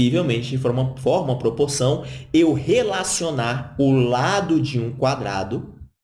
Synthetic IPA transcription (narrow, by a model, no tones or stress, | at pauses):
ivewmẽnt͡ʃɪɪfoɾũmɐfɔɾũɐpɾopoɾsɐ̃w̃ewhelasionaɾʊlad̪ʊd͡ʒɪũkwad̪ɾa̰d̪ʊ